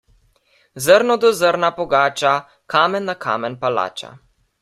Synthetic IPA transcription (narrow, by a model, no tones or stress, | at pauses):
zəɾnɔd̪ɔzəɾnapɔɡaːt͡ʃa | kʰaːmɛnːakʰa̰ːmɛnpala̰ːt͡ʃa̰